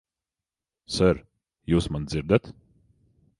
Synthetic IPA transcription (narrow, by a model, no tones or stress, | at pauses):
sœɾ | jusmanziɾd̪ɛt̪